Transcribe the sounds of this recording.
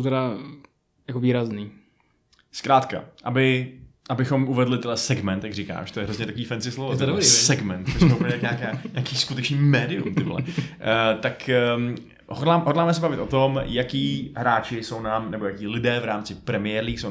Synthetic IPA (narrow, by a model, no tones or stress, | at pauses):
wt̪ɛɾa | jakoviːɾazniː | skɾaːt̪ka̰ʔabɪ | ʔabɪxo̞mʔuvɛdlɪt̪ɛdlɛsɛɡmɛnt̪jaɡrika̰ːʃt̪ojɛɾozɲɛt̪akoviːfɛnt͡sɪslovoɛɾisɛɡmɛnt̪sosmɛupp̩lɲɛt̪akɲaːkaːɲaːkiːskut̪ɛt͡ʃniːmɛːdɪṵmt̪ɪɦlɛ̰ | t̪ak | ɦodlaːɦodlaːmɛs̬ɛbavɪt̪ʔo̞t̪omjakiːɦɾaːt͡ʃɪso̞wnaːmnɛbo̞jakiːlɪdɛːvɾaːmt͡sɪpɾɛmɪjɛːɾliːso